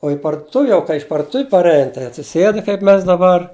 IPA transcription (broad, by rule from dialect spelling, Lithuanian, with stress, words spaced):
oː ɪ pɐrdʊˈtʊʋʲɪ jɛʊ kɐɪ ɪʃ pɐrdʊˈtʊʋʲɪ pɐrʲˈɛɪn tɐɪ ɐtʲsʲɪˈsʲeːt kɐɪp ˈmʲɛs dɐˈbɐr